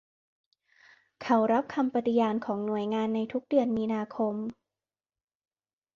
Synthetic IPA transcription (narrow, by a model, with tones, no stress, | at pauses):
kʰa˦˥wɾa˦˥p̚kʰa˧mpa˧t̪i˧jaː˧nkʰɔː˩˦ŋnu˨˩əjŋaː˧nːa˧jt̪ʰu˦˥k̚dɯ˧ənmiː˧naː˧kʰo˧m